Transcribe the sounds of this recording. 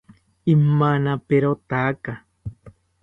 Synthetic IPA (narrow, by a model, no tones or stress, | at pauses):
imːanapeɾot̪aka